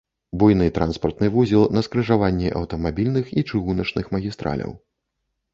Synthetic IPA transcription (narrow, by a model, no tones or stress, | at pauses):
bujnɨt̪ɾanspɐrt̪nɨvuzʲilˠnɐskɾɨʐavanʲːiʔɐwt̪ɐmabʲilʲnɨxit͡ʂɨɣunɐt͡ʂnɨxmɐɣʲist̪ɾa̰lʲɐ̰w